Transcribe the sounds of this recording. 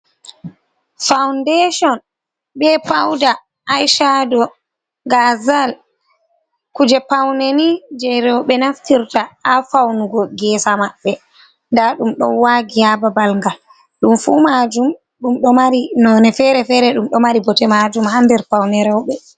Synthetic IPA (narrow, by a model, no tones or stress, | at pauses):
fawndɛʃɔn | ɓɛpawda | ʔːjʃadɔ | ɡazal | kud͡ʒɛpawnenid͡ʒɛjɾɛwɓɛnaftiɾtaafawnuɡɔɡɛːsamaɓːɛ | ndaɗumɗɔ̰nwaɡihababalŋɡal | ɗumfumad͡ʒum | ɗumɗɔmaɾinɔnɛfɛɾɛfɛɾɛɗumɗɔmaɾibɔtɛmad͡ʒumhandɛɾpawnɛɾɛwɓɛ